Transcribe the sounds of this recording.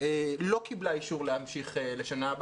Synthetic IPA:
elo̞kiblaiʃuʁlehamʃiχele̞ʃanab

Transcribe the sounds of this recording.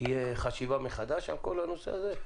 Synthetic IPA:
ijeχaʃivameχad̪aʃa̰lko̞lhano̞sḛaze

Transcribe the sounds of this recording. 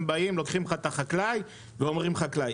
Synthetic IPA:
baimlokχimχat̪aχaklaj | veo̞mʁimχaklaj

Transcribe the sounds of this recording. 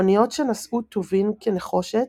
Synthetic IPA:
nijo̞tʃenasʔut̪ʰovimkeneχo̞ʃet

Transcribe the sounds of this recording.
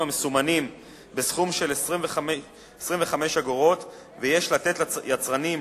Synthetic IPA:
amesumanim | be̞sχumʃe̞lesʁimv | esʁimɱveχame̞ʃaɡoʁo̞t̪ | vejeʃlat̪e̞t̪jat͡sʁanim

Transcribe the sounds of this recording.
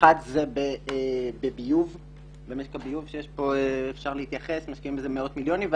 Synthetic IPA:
at̪zebeebebijuv | bemeʃkabijuvʃejeʃpo̞eːfʃaʁlehit̪jaχesmaʃkiimbezemeo̞t̪miljo̞nimv

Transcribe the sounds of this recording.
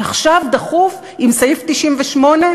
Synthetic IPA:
aχʃavd̪aχuf | imsajift̪iʃimveʃmo̞ne̞

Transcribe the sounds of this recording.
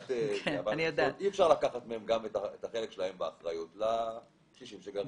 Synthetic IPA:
t̪eeavanijod̪aiɛfʃaʁlakaχat̪meemɡametaet̪aχelekʃelahe̞mbeaχʁajutla | ʃiʃimʃeɡa

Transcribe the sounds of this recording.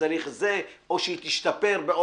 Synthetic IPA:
aɾiχze̞o̞ʃeit̪iʃt̪ape̞ɾbeo

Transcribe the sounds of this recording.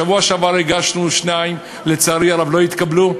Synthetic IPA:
avuaʃavaɾeɡaʃnuʃnaim | le̞t͡saːɾiaɾavlo̞jit̪kablu

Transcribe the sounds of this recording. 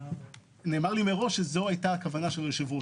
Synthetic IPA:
ne̞ːmaʁlimeʁo̞ʃezoajtaːkavanaʃelʁeʃivu

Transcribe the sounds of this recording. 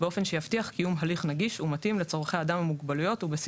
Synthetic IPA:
beo̞fe̞nʃejaftiaχkijumɦaliχnaɡiʃumat̪imlet͡soʁχeaːd̪amamuɡbalujo̞tubes

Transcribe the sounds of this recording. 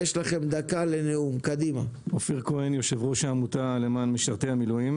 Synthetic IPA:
jeʃlaχe̞md̪akaleneumkad̪ima̰ofiʁkoenjo̞ʃevʁoʃaamut̪ale̞maːnmeʃaʁt̪eamiluim

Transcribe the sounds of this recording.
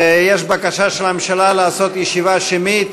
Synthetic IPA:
jɛʃbakaʃaʃelamemʃalalaːso̞t̪jɛʃivaʃimit̪

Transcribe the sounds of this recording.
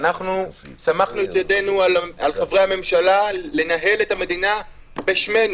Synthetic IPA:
naχnu | samaχnuetjade̞nualalχevʁehame̞mʃalale̞naɦe̞let̪ame̞dina | beʃme̞nu

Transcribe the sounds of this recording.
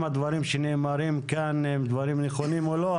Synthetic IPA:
mad̪vaɾimʃenemaɾimkanemd̪vaɾimneχonimolo

